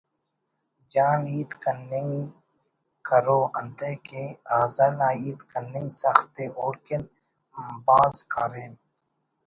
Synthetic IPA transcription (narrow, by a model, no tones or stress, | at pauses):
d͡ʒaːniːd̪kənːɪŋ | kəɾoːʔɐ̃nd̪eːkeːaːzəɾnaːiːd̪kənːɪŋɡsaxt̪eʔoːɾkɪn | mbaːzkʰaːɾeːn